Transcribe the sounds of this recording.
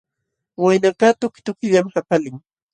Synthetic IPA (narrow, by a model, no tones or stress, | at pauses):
wajnakat̪ʊkɪ̥t̪ʊkɪʎamhapalɪŋ